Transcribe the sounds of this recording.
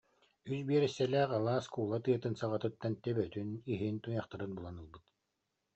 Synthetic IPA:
ysbiɛɾɛsːɛlʲɛːqalˠaːskuːlˠat̪ɯɐt̪ɯnsaʁat̪ɯt̪ːant̪ɛbœt̪yniɦint̪ujaχt̪ɯɾɯnbulˠanɯlˠbɯt̪

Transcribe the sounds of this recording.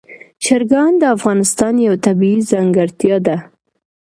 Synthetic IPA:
ʃaɾɡɑnd̪əafɣɑnɪst̪ɑnjawt̪abiizaŋɡaɾt̪jɑd̪a

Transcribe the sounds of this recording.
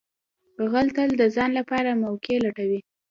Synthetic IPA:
ɣəlt̪əld̪əzɑnlapɑɾamawkelaʈawi

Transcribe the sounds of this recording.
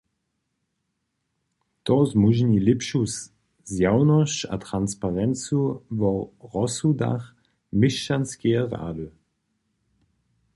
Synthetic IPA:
tɔzmuʒnilɪpʃus | zjawnɔʃa̰tʁanspaʁɛnt͡suvɔʁɔsuda̰χ | mɪʃanskeəʁa̰ːdø

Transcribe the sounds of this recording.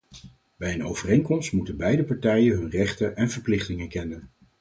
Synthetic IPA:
bɛjəno̰wvərejŋkɔmstmutənbɛjdəpɑɹtɛjənɦɵnrɛχtənʔɛnv̥əɹplɪχtɪŋəkɛnən

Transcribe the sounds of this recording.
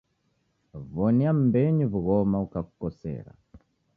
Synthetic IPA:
vɔniam̩bɛɲivuɣɔmaukaku̥kɔsɛ̰ɾa̰

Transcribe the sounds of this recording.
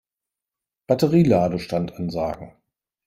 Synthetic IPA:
b̥atəʁiːlaːdəʃtantʔanza̰ːɡŋ̩

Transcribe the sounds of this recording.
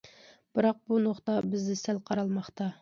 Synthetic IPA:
b̥ɨɾɑq̚bunoχt̪ɑbɪzd̪ɪsælqʰɑɾɑlˠmɑχt̪ɑ

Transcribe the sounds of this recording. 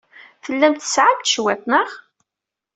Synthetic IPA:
θəlːæmt̪ə̥sʕamt̪ʃwæθnəʁ

